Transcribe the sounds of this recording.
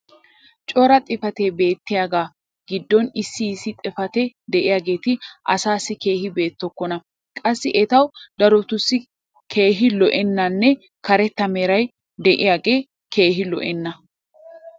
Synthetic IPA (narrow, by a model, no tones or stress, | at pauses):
t͡ʃʼɔɾɐt̪ʼɪfɐt̪ebe̞ːt̪ːɪjaːɡaː | ɡ̥ɪd̪ːɔnɪsːɪːsːɪt̪ʼɪfɐt̪ɛd̪ɛʔɪjaːɡe̞ːt̪ɪʔɐ̰saːsːɪke̞ːhɪbe̞ːt̪ːɔkːɔnɐ | kʼɐsːɪʔɛt̪ɐwd̪ɐɾɔt̪ʊsːɪ | kʰe̞ːɦɪlɔʔɛnːɐnːɛ | kɐɾɛt̪ːɐmeːɾɐj | d̪ɛʔɪjaːɡe̞ː | kʰe̞ːɦɪlɔ̰ʔɛnːɐ